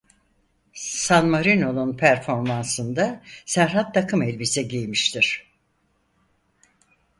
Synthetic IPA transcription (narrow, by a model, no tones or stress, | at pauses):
sanmaɾino̞nunpʰæɾfo̞ɾmansɯnd̪asæɾɦat̪ːakʰɯmɛlʲbisɛɟijmiʃt̪ʰiɾ̥